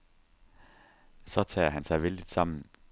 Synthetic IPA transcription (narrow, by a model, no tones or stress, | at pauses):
sɒt̪ʰɛ̰ːɦænsæɪʋɪld̥̪ɪd̥sɑmn̩